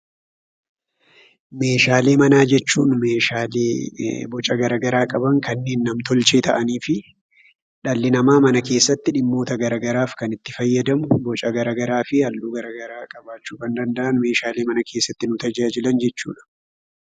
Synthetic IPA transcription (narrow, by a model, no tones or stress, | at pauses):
me̞ːʃaːleːmɐnaːd͡ʒɛt͡ʃːuːnmeːʃaːlː | bɔt͡ʃʼɐɡɐɾɐɡɐɾaːkʼɐbɐŋkɐnːeːnːɐmt̪ɔlt͡ʃe̞ːt̪ʰɐʔɐniːfɪ | ᶑɐlːɪnɐmaːmɐnɐke̞ːsːɐt̪ːɪᶑɪmːo̞ːt̪ɐɡɐɾaɡɐɾaːfkɐnɪt̪ːɪfɐjːɐd̪ɐmʊbɔt͡ʃʼɐɡɐɾaːɡɐɾaːfɪhɐlːuːɡɐɾɐɡɐɾaːkʼɐbaːt͡ʃːuːkɐnd̪ɐnd̪ɐʔɐnme̞ːʃaːleːmɐnɐkʰe̞ːsːɐt̪ːɪnʊt̪ɐd͡ʒaːd͡ʒɪlɐnd͡ʒɛt͡ʃːṵːᶑɐ̥